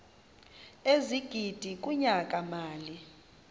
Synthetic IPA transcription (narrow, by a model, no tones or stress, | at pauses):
eziɡ̥ʱid̥ʱik̬ʼuɲakʼamaːli